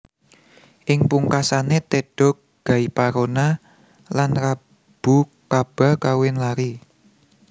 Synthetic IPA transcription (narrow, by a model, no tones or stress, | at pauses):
ʔɪŋpuŋkasanet̪eɖ̥ɔ̤k̚ɡ̥ä̤ipaɾona | lanra | b̥ukab̥a̤kawɪnlaɾi